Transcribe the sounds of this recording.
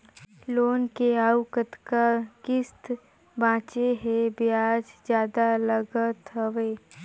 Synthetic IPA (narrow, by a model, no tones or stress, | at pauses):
loːnkeaːwkət̪kakɪst̪ | bãːt͡ʃeɦɛbɪaːd͡ʒd͡ʒjaːd̪aləɡət̪ɦəʋeː